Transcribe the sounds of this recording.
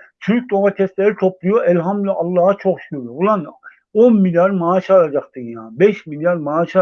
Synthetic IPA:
t͡ʃʰycʰyd̪oŋat̪ʰɛst̪lɛɾit̪ʰoplˠujoʔɛlɦamlyʔalˠːaːat͡ʃʰoχʃy̥kʰuɾubulˠan | onmiljaɾmaːʃaɾad͡ʒaχt̪ɯjabɛʃmiljaɾmaːʃa

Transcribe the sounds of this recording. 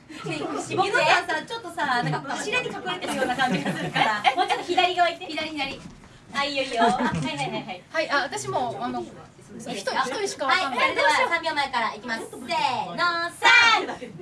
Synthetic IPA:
monoasat͡ɕo̞t̪ːo̞sanãŋkakonɕiɾaɲ̟ikakɯɾat̪eɾɯjo̞ːnakãɲd͡ʑiɡḁɾaemot͡ɕot̪oçid̪aɾʲiɡaβait̪ːeçid̪aɾʲiçid̪aɾʲi | aioio | haiʔaβat̪aɕimo̞ano | çi̥t̪ot̪oiɕi̥kaaiaed̪esamʲiamaekaɾaikʲimasenãsa

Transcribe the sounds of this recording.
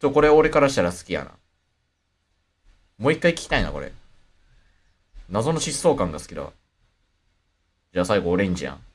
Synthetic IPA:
t̪oko̞ɾe̞oɾe̞kaɾaɕi̥t̪aɾasɨ̥kʲija̰na̰ | mo̞ːikːaikʲi̥kʲi̥t̪aina̰ko̞ɾḛ | nazo̞no̞ɕisːo̞ːkãŋɡasɨ̥kʲid̪a̰ | d͡ʑaːsaiɡo̞ːɾẽ̞ɲ̟d͡ʑijã̰ŋ

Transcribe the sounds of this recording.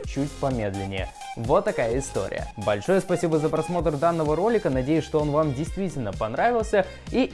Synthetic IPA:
t͡ɕutʲpɐmʲe̞d̪lʲɪnʲːɪjə̰ | vot̪ːɐkajəɪst̪o̞̰ɾʲɪ̰jə̰bɐlʲʂo̞jəspɐsʲibəzəpɾɐsmo̞t̪rd̪anːəvəɾo̞lʲɪkənɐdʲejʊsʲʂt̪oonvamdʲɪjst̪vʲitʲɪlʲnəpɐnɾavʲɪlˠsʲə | i

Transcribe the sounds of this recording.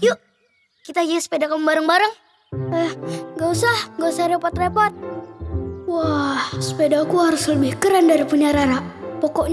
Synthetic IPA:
joʔ | kit̪aɡiasə̥pedakamubaɾəŋbaɾəŋ | əhŋɡausahŋɡausahɾepɔt̪repɔt̪̚ | wahsə̥pedakuhaɾʊsləbɪhkəɾandaɾipuɲaɾaɾapɔkɔʔɲ

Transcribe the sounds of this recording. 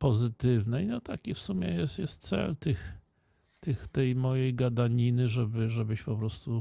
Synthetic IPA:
pɔzɘt̪ɘvnɛjnɔt̪a̰kʲifsumʲjɛjɛsjɛst̪t̪sɛ̰lt̪ɘx | t̪ɘxt̪ɛjmɔjejɡad̪aɲinɘʐɛbɘʐɛbɘɕpɔpɾɔst̪u

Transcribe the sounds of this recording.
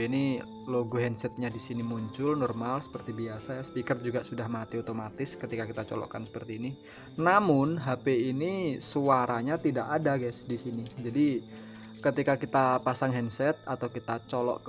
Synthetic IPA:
ini | loɡoɦɛnsɛt̪̚ɲadisinimuɲt͡ʃʊlnɔrmalsə̥pərt̪ibiasajasə̥pikərd͡ʒuɡaʔsudahmat̪iot̪omat̪ɪskət̪ikakit̪at͡ʃɔ̰lɔ̰ʔkansə̥pərt̪iːni | namʊnɦapeinisuaɾaɲat̪idaʔadaɡɛsdisinid͡ʒadi | kət̪ikakit̪apasaŋɦɛnsɛt̪̚at̪awkit̪at͡ʃolɔ̰ʔk

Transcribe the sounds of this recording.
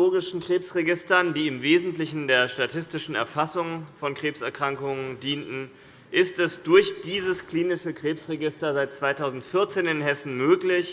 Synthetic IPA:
oːɡɪʃn̩kʁ̥eːpsʁeɡɪstɐndiːɪmveːzn̩tlɪçn̩deːɐʃtatʰɪstɪʃn̩ɛ̰ɐfasʊŋfɔnkʁ̥eːpsɛɐkʁ̥aŋkʊŋəndiːntn̩ | ʔɪstɛsd̥ʊɐçd̥iːzəskl̥iːnɪʃəkʁ̥eːpsʁeɡɪstɐzaɪt̚t͡sv̥aɪtʰaʊzn̩tfɪɐt͡seːnɪnhɛsn̩møːklɪç

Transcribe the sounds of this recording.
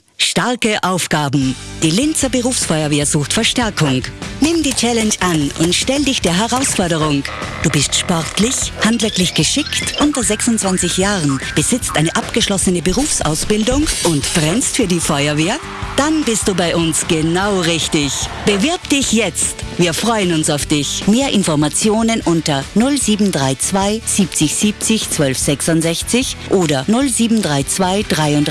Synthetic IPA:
ʃtaɐkəʔaʊfɡ̥aːbm̩ | d̥iːlɪnt͡sɐbəʁuːfsfɔʏɐveːɐzuːxtfɛɐʃtɛɐkʰʊŋnɪmdiːt͡ʃɛlɛnʃʔanʔʊ̰ntʃtɛldɪçd̥eːɐɦɛʁaʊsfɔɐɾəʁʊŋd̥uːbɪstʃpɔʁtʰlɪçhantv̥ɛɐklɪçɡ̥əʃɪktʔʊntɐzɛksʊntt͡sv̥ant͡sɪçjaːʁənb̥əzɪt͡stʔaɪnəʔapɡ̥əʃlɔsənəbəʁuːfsʔa̰ʊsb̥ɪldʊŋʔʊntfʁɛnstfyːɐdiːfɔʏɐveːɐ | d̥anbɪstd̥uːbaɪʔʊnsɡ̥ənaʊʁɪçtɪçb̥əvɪɐpd̥ɪçjɛt͡stviːɐfʁ̥ɔʏənʊnsaʊfd̥ɪçmeːɐʔɪnfɔɐmat͡sjoːnənʔʊntɐnʊlziːbm̩dʁaɪt͡sv̥aɪz̥iːp̚t͡sɪçz̥iːp̚t͡sɪçt͡sv̥œlfz̥ɛksʊntzɛçt͡sɪçʔoːdɐnʊlziːbm̩dʁaɪt͡sv̥aɪd̥ʁaɪʊnd

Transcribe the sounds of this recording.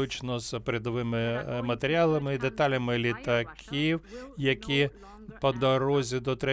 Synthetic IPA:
ut͡ʃnɔzpɾʲed̪ɔʋɪmɪmɐt̪eɾʲɪalˠɐmɪd̪et̪ɑlʲɐmɪlʲit̪ɐkʲʰiwjɐkʲi | pɔd̪ɔɾɔzʲid̪ɔt̪ɾɛ

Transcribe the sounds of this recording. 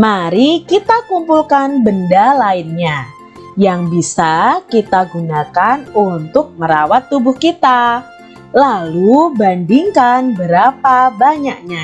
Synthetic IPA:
maɾikit̪akumpulkanbəndalaɪnɲa | jaŋbisakit̪aɡunakanunt̪ʊk̚məɾawat̪ːubʊhkit̪a | lalubandiŋkanbəɾapabaɲak̚ɲa

